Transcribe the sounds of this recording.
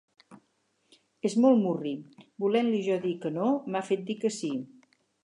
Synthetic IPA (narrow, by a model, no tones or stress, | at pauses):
ezmɔlˠmuribulɛnliʒɔðikənomafet̪̚d̪ikəsi